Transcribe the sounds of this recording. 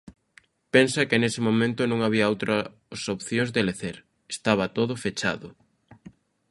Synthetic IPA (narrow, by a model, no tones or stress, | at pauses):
pensɐkɪnesɪmomẽnt̪ʊnõŋaβiɐowt̪ɾɐ | sopθjoŋzðeleθeɾ | est̪aβ̞ɐt̪oðʊfet͡ʃa̰ðʊ